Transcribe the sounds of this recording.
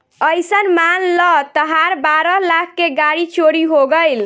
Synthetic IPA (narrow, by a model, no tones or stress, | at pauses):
əjsənmanlɔt̪əɦaɾbaɾɔlak̚ʰːeɡaɽit͡ʃoɽiɦoɡəjl